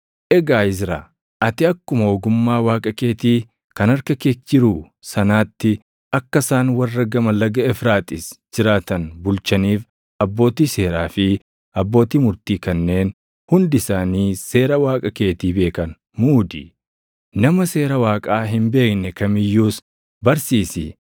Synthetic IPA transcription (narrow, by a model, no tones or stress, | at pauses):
ʔɛɡaːɪs̬ɾa | ʔɐt̪ɪɐkːʊmɐɔɡʊmːaːwaːkʼɐke̞ːt̪iː | kɐnɐɾkɐket͡ʃːɪɾuː | sɐnaːt̪ːɪ | ɐkːɐsaːnwɐrːɐɡɐmɐlɐɡɐɛfɾaːt̪ɪsd͡ʒɪɾaːt̪ɐnbʊlt͡ʃɐniːf | ɐbːo̞ːt̪iːse̞ːɾaːfɪ | ɐbːo̞ːt̪iːmʊɾt̪iːkɐnːe̞ːn | hʊnd̪ɪsaːniːse̞ːɾɐwaːkʼɐke̞ːt̪iːbe̞ːkɐn | muːd̪ɪ̰ | nɐmɐse̞ːɾɐwaːkʼaːɦɪmbe̞ːknɛkɐmɪjːuːs | bɐɾsiːsɪ